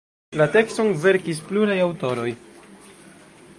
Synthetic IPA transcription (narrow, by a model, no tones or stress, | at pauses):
late̞kstoŋve̞ɾkis̬pluɾajawto̞ɾo̞j